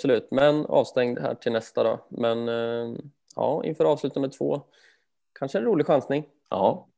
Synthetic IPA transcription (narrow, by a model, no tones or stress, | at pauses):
sɔlʉ̟ːt̪mɛnɑ̰ːvst̪ɛŋd̪ɦæ̰ːʈʰɪlnɛst̪ad̪ɔ̰mɛn | ɑ̰ːʔɪ̰nfœːɾɑːvslʉt̪anmɛd̪t̪ʰvo̰ː | kʰanʂəɛnɾuːlɪɡɧansnɪŋ | ɑː